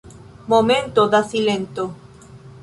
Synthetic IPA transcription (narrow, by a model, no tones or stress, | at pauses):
momẽnt̪oðasilent̪o